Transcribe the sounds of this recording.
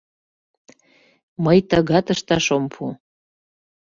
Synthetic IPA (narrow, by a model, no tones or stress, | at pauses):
məjt̪əɣɑt̪əʃt̪ɑʃompʰu